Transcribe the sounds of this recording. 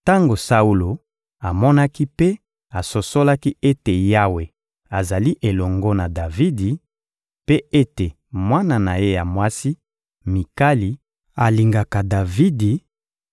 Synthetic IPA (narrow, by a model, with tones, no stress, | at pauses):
ta˦ŋɡo˨sa˦u˦lo˨ | a˨mɔ˦na˦ki˦pe˦ | a˨so˨so˦la˦ki˦e˦te˨ja˦we˨ | a˨za˨li˦ʔe˨lɔ˨ŋɡɔ˦na˨da˨vi˦di˨ | pe˦e˦te˨ | mwa˦na˦˨na˨je˦ja˨mwa˦si˦ | mi˨ka˦li˨ | a˨li˨ŋɡa˨ka˨da˨vi˦di˨